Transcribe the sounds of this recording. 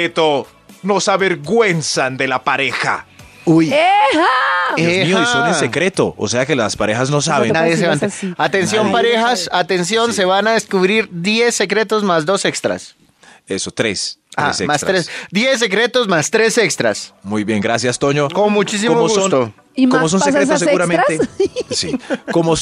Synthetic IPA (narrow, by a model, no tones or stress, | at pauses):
et̪o | no̞saβeɾɣwe̞nsand̪elapaɾexa̰ | uj | mioisonesekɾet̪o̰ʔo̰seakelaspaɾexaznos̬aβennaðjes̬eβant̪eat̪ens̬jo̞mpaɾexasat̪ens̬jo̞nse̞βanaðeskuβɾiɾd̪je̞sːe̞kɾe̞t̪o̞zmazd̪o̞sekst̪ɾa̰s | esot̪ɾesa̰semasɾɾesd̪jes̬ːe̞kɾe̞t̪o̞zmast̪ɾe̞sekst̪ɾa̰smujβjeŋɡɾasjast̪oɲokonmut͡ʃis̬imoɣust̪o | komos̬onseskɾet̪oseɣuɾamẽnesikomos